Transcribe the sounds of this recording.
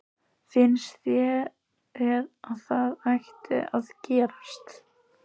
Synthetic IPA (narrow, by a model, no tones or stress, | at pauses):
fɪnsθjɛ | ɛɾaðθaðajxt̪ɪ̰ʔaðcɛːɾast̪